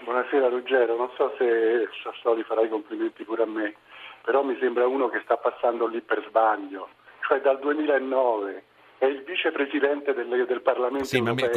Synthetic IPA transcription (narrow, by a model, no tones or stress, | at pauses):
bwɔnasɛːɾalud͡ʒːɛːɾononsɔsesasɔːlifaɾajkompliment̪ipuːɾeamːe | peɾɔmːisembɾauːnokest̪apːasːand̪olːipːerzbaʎːo | t͡ʃoɛd̪ːald̪uemiːlaenːɔːve | ɛilviːt͡ʃepɾezid̪ɛnt̪ed̪elːed̪elparlament̪onopɛ